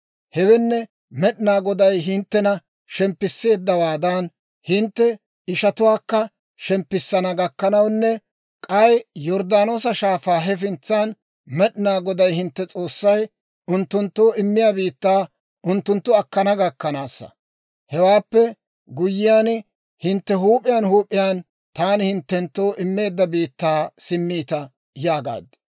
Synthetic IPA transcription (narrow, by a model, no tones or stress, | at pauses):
hɛwɛnːɛ | mɛɗɪnaːɡɔd̪ɐjɦɪnt̪ːɛnɐ | ʃɛmpːɪsːe̞ːd̪ːɐwaːd̪ɐn | hɪnt̪ːɛ | ɪʃɐt̪ʊwaːkːɐ | ʃɛmpːɪsːɐnɐɡɐkːɐnɐwnːɛ | kʼɐjjɔɾd̪aːno̞ːsɐʃaːfaːɦɛf̬ɪnt͡sːaːn | mɛɗɪnaːɡɔd̪ɐjhɪnt̪ːɛt͡sʼo̞ːsːɐj | ʊnt̪ːʊnt̪ːoːʔɪmːɪjaːbiːt̪ːaː | ʔʊnt̪ːʊnt̪ːʊɐkːɐnɐɡɐkːɐnaːsːɐ̰ | hɛwaːpːɛ | ɡʊjːɪjaːn | hɪnt̪ːɛɦuːpʼɪjaːnhuːpʼːɪjaːn | t̪aːnɪhɪnt̪ːɛnt̪ːoːʔɪmːe̞ːd̪ːɐbiːt̪ːaːsɪmːiːt̪ɐ | jaːɡa̰ːd̪ɪ̥